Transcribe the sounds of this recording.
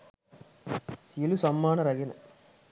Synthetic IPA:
silusɐmːaːnɐɾɐɡenɐ̰

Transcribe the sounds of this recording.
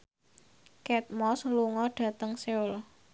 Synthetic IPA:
kɛt̪̚mɔsluŋɔɖ̥ä̤t̪əŋseʊl

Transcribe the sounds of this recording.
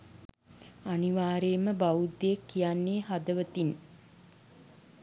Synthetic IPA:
aniʋaːɾeːməbaud̪ːeekːijanːeːɦad̪əʋət̪in

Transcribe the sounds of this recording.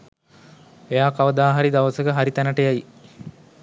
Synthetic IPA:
ejaːkaʋəd̪aːɦaɾid̪aʋəsəkəɦaɾit̪ænəʈəjaji

